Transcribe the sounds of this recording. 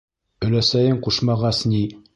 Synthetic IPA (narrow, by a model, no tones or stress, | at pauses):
ɵ̆læsæjɘɴquʃmɑʁɑsni